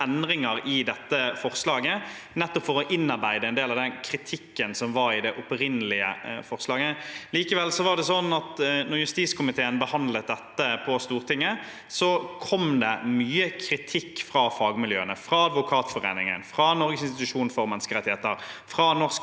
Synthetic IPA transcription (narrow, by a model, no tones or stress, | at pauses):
ɛnd̪ʁɪŋəɾɪd̪ɛt̪ːəfɔʁslɑːɡənɛt̪ːɔpfɔɾɔʔɪnːɑɾbæɪd̪əɛɪnd̪eːlɑʋd̪ɛnkʰɾɪt̪ʰɪkːənsɔmʋɑɾɪd̪ɛʔʊpɾɪnːəlɪə̰fɔʁslɑːɡəliːkəʋɛlsɔʋɑʁɖ̪ɛsɔnɑt̪nɔʁjʉst̪iːskʰʊmɪt̪ʰeːənbəhɑnd̪lət̪̚d̪ɛt̪ːəpʰɔst̪uːʁt̪ʰɪŋːə | sɔkʰɔmd̪ɛ̰myːəkʰɾɪt̪ʰɪkːfʁɑfɑːɡmɪljøːənəfʁɑɑd̪ʋʊkʰɑːt̪fɔʁḛːnɪŋə̰nfʁɑnɔɾɡəsɪnst̪ɪt̪ʉʂuːnfɔɾmɛnːskəʁɛt̪ːɪheːt̪əɾfʁɑnɔʁs